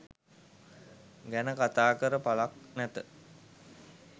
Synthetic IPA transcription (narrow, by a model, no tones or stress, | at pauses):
ɡɛnəkat̪aːkəɾəpalak̚nɛt̪ə